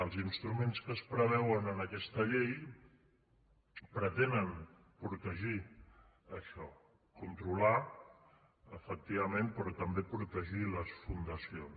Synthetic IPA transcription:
əlˠzinst̪ɾumenskəspɾəβ̞ɛwənənəkɛst̪əʎej | pɾət̪enən | pɾut̪əʒi | əʃɔ | kunt̪ɾula | əfək̚t̪iβəmenpɾɔt̪əmbepɾut̪əʒiləsfund̪əsions

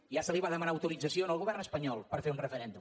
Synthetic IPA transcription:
iasəliβaðəmənaəwt̪uɾid͡zəsjonəlˠɣuβɛrnəspəɲɔlˠpəɾfeɾunrəfəɾend̪um

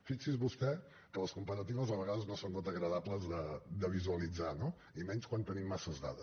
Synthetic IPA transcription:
fiksizβust̪ɛ | kələskumpəɾət̪iβəzəβəɣaðəznosont̪ot̪əɣɾəðapləzðəd̪əβ̞izuəlid͡zano | imɛnskwant̪ənimːasəzða̰ðə

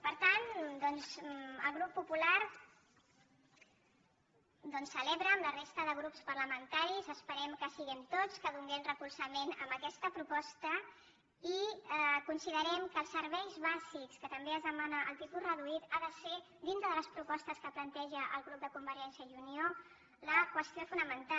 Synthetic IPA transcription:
pəɾt̪and̪ɔnzəlˠɣɾupːupulaɾ | d̪ɔnsːəleβɾəːmlərest̪əðəɣɾupspəɾləmənt̪aɾizəspəɾɛmkəsiɣɛmt̪ot͡skəðuŋɡɛmrəkulˠsəmenə̰mbəkɛst̪əpɾupɔst̪ə | ikunsiðəɾɛmkəlˠsːəɾβɛjzβazikskət̪əmbeəzðəmanəʔːlˠt̪it̪ulˠrəðuit̪aðəse | d̪int̪ɾəðələspɾupɔst̪əskəplənt̪ɛʒəʔəlˠɣɾup̚d̪əkumbəɾɛnsiəjunio | ləkwəst̪ijofunəmənt̪a

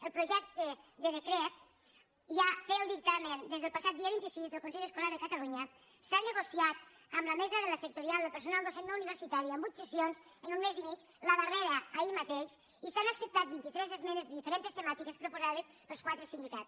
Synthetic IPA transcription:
əlˠpɾuʒɛk̚t̪əd̪əðəkɾɛt̪̚ | ʒat̪eəlˠd̪ik̚t̪amənd̪ezðəlˠpasat̪̚d̪iəβint̪isizd̪əlˠkonsɛʎəskolaɾðəkət̪aluɲə | sanəɣosiat̪̚ | əmləmezəðələsək̚t̪uɾialˠd̪əpəɾs̬unalˠd̪osennouniβ̞əɾsit̪aɾiəmbut̪səsionz | ənunmezimit͡ʃ | ləβəreɾəːimat̪eʃ | isanəksəp̚t̪at̪̚bint̪it̪ɾɛzəzmɛnəzðəðifəɾent̪əst̪əmat̪ikəspɾupuzað̞əs | pəlˠskwat̪ɾəsind̪ikatt͡s

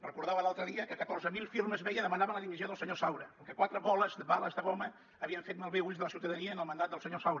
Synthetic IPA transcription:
rəkuɾðaβəlalˠt̪ɾəðiəkəkət̪orzəmilˠfiɾməzβɛjəðəmənaβənləðiβizioðəlˠsəɲosawɾəəŋkɛkwat̪ɾəβɔləzðəβaləzðəɣoməː | βiəɱfet̪̚malˠβeuʎzðələsiwt̪əðəniəːnəlˠmənd̪at̪d̪əlˠsəɲosawɾə

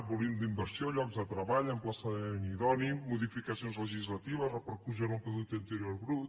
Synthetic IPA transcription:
βulind̪imbəɾsjoʎɔkzðət̪ɾɐβaʎəmplasaniðɔnimːuðifikɐsionzləʒizlat̪iβɐzrəpəɾkus̬əɾumpɾuðuk̚t̪int̪əɾioɾβɾut̪

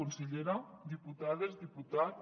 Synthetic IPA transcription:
onseʎeɾad̪iput̪aðezðiput̪a

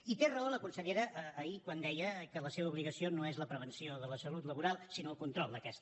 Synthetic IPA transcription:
it̪erəoləkunsəʎeɾəʔːikwand̪ɛjəkələseβəuβliɣəsionoezləpɾəβ̞ənsioðələsəlut̪ləβuɾalˠsinoəlˠkunt̪ɾɔlˠd̪əkɛst̪ə

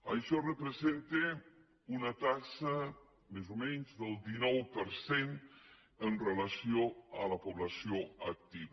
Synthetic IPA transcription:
əjʃɔrəpɾəzent̪e | unət̪asə | mezumɛɲzðəlˠd̪inɔwpəɾsen | ənrələsioələpuβləsioək̚t̪iβ

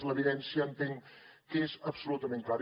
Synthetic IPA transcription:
zləβiðɛnsjanp̪iŋ | kezəbsulut̪əmẽnkaɾ

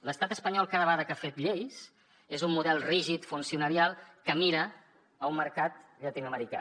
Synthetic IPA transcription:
ləst̪at̪əspəɲɔlˠkaðəβaðəkafet̪̚ʎejs | ezumːuðɛlˠriʒit̪funsiunəɾialˠkəmiɾəː | umməɾkat̪ʎət̪inəməɾika̰

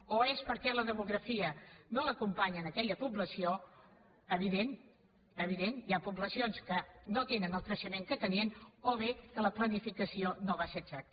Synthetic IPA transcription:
oespəɾkɛləðəmuɣɾəfiənoləkumpaɲənəkɛʎəpubləsio | əβ̞iðen | əβ̞iðeniapuβləsionskənot̪enənəlˠt̪ɾəʃəmeŋkət̪əniənoβekələplənifikəsionoβasəɡʒak̪̚

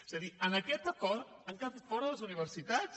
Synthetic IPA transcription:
ezaðiənəkɛt̪əkɔɾt̪ | əŋkaat̪fɔɾəðləzuniβ̞əɾsit̪at͡s

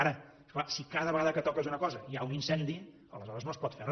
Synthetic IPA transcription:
aɾə | sklasikaðəβəɣaðəkət̪ɔkəzunəkɔzəiauninsɛnd̪i | ə̰ləzɔɾəznospɔt̪fer

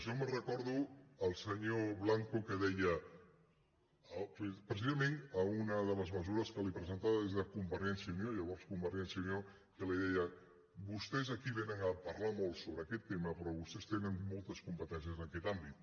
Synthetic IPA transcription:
ʒɔmərəkɔɾðuəlˠsəɲoβlaŋkukəðɛjə | ppɾəsizəmenəunəðələzməzuɾəskəlipɾəzənt̪aβəðezðəkumbəɾɛnsjiunjoʎəβɔɾskumbəɾɛnsiəunjo | kəliðɛjə | bust̪ɛzəkiβenəŋəpəɾlamolˠt̪soβɾəːkɛt̪ːeməpɾɔβust̪ɛst̪enənmolˠt̪əskumpət̪ɛnsiəzənəkɛt̪ambit̪

